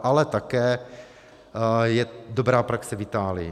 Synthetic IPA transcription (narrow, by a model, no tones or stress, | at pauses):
ʔalɛt̪akɛː | jɛdobɾaːpɾaksɛvɪt̪aːlɪjɪ̰